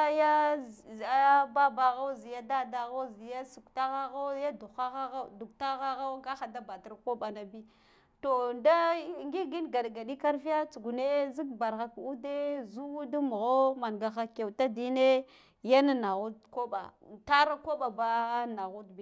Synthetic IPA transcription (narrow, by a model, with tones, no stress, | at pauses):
ja˦˨ | a˦ba˦ba˨ɣa˦wzi˨ja˦da˦da˨ɣa˦wzi˨ja˦su˨kta˦ɣa˦ɣa˦wja˦du˨xa˦ɣa˦ɣa˦du˨kta˦ɣa˦ɣa˦wɡa˦xa˨da˦ba˨ta˦ɾko˦ɓa˨na˨bi˦ | to˨nda˦ŋɡi˦ɡi˦nɡa˨dɡa˨ɗi˦ka˦ɾfi˦a˦t͡su˨ɡu˨ne˦zi˦k̚ba˨ɾɣa˨ku˦de˦zu˦u˦da˦mu˨ɣo˦ma˨nɡa˨ɣa˦ke˨wta˦di˦ne˦ | ja˦na˦na˨ɣu˦t̚ko˦ɓa̰˨ta˦ɾa˦ko˦ɓa˨ba˦na˨ɣu˦dbi˦